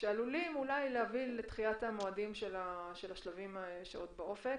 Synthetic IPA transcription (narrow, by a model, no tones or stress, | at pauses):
ʃealulimulajlehavilːet̪χiat̪amo̞adimʃelaʃelaʃlavimʃḛot̪baʔo̞fek